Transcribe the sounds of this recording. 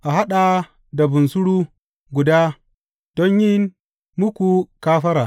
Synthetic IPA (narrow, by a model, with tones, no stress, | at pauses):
ʔa˨ɦa˦ɗa˨ | da˨bʊ˨nsʊ˦ɽuː˦ | ɡʷʊ˨daː˦ | d̥ɔ˦ɲjɪ˦n | mʊ˦kʷu˨kaː˦ɸɐ˦ɾaː˨